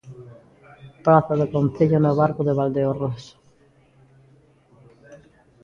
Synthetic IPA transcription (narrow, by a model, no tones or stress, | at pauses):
pɾaθaðekonθeʎonoβaɾkoðeβald̪eores